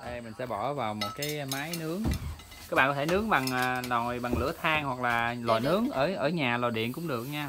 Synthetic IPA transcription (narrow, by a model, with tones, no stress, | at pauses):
ʔə˧mï̟˨˩sɛ̰˧˥ɓɔ˧˩vaː˨˩wmo˨˩t̚kaː˨˦jmaː˨˦jnɨ˨˦əŋ | kaː˨˦˥ɓa̰ː˧˨kɔ˧t̪ʰe˧˩nɨ˨˦əŋɓa˨˩ŋː˨˩nɔ˨˩jɓa˨˩ŋlɨ̰˧˩ət̪ʰaː˧ŋhwa˨˩k̚laː˨˩lwa̰ː˨jnɨ˨˦əŋʔəː˧˩jʔəː˧˩ɲaː˨˩lɔ˨˩jɗḭ˧˨ənkʊ̰˧˥ŋ͡mɗɨ˨˩ək̚ɲaː˧